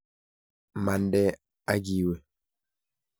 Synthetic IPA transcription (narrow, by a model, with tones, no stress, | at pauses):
ma˨ndɛ˦ | a˦ɡi˨we˨